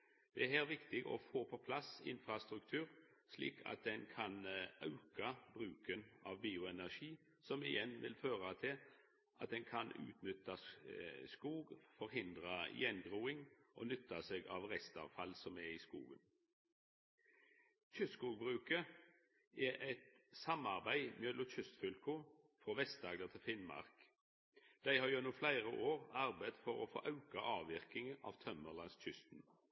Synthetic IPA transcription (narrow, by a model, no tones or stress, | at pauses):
d̪̥ɛæɦæːʁʋɪkt̪ɪɡɔ̰foːpʰɔpʰlɑsɪ̰nfʁɑst̪ɾʉkt̪ʰʉːʁ | slḭːkʰɑ̰t̪̚d̪ɛnkʰɑnʔɑʉkɑbʁʉːkənɑ̰ʋbiːʊɛnæʃiː | sɔmɪ̰jɛnʋɪ̰lføːʁɑt̪ʰɪl | ʔɑt̪̚d̪ɛnkʰɑnʉ̰ːt̪nʏt̪ːɑ | skuːɡfɔɾɦɪnd̪ʁɑ̰jɛnɡʁuːɪŋʔo̰ːnʏt̪ːɑseːɡɑ̰ːʋʁɛst̪ɑ̰ːʋfɑlsɔmɛiːskṵːɡən | c͡çʏsskuːɡ̚bʁʉːkə | ɛʔɛt̪sɑmɑʁbæɪmøːlʊc͡çʉst̪fʉlkʊ | fʁoːʋɛst̪ɑɡd̪ət̪ʰɪlfɪnmɑ̰ʁk | d̪̥æɪhɑːjonuːflæɪʁəʔoːʁɑʁbæd̪fɔʁo̰fo̰ːʔɑʉkɑʔɑːʋɪʁkɪŋəɑ̰ːʋt̪ʰœməʁlɑnsc͡çʏst̪n